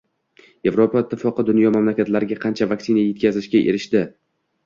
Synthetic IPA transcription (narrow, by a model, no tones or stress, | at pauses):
je̞vɾopaɪt̪ʰːɪfɒqɨd̪ʊnjɒmamlakʲat̪laɾɪɡʲaqʰɑnt͡ʃʰavakʲsɪnaje̞t̪̚kʲazɪʃkʲaʔe̞̰ɾɪʃt̪ɪ